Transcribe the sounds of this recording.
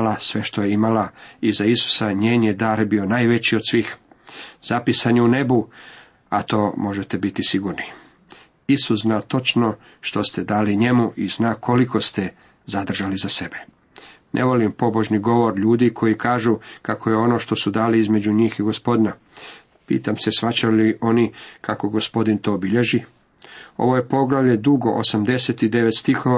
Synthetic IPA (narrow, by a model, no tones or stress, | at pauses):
lasʋe̞ʃt̪o̞jeimalaizaisu̥saɲe̞ːnjed̪aːɾbio̞naːjʋe̞t͡ɕiod̪̥sʋiːxzapisaɲeune̞bu | a̰t̪o̞ːmo̞ʒet̪ebit̪isiɡuɾni | isusznat̪o̞t͡ʃno̞ | ʃt̪o̞st̪e̞d̪aːliɲe̞muʔiznaːkʰo̞liko̞st̪e̞ | zad̪r̩ʒalizase̞be | nʔḛʋo̞limpo̞bo̞ʒniɡo̞ʋo̞ɾʎuːd̪ikʰo̞jikaːʒukako̞je̞o̞no̞ʃt̪o̞sud̪aːliizme̞d͡ʑuɲiːxiɡospo̞d̪na | pḭːt̪amse̞sʋat͡ɕaliʔo̞nikako̞ɡo̞spo̞d̪int̪o̞ːbiʎe̞ʒi | o̞̰ʋo̞jepo̞ɡlaʋlʎe̞d̪uɡo̞ʔosamd̪e̞set̪id̪e̞ʋet̪st̪ixoʋa